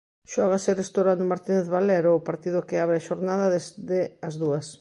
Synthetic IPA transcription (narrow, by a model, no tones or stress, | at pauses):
ʃɔɣ̞aserest̪owɾand̪ʊmaɾt̪ineθβalɛɾoːpaɾt̪iðʊkɪaβɾeaʃoɾnaðɐðezðeɐzðuɐs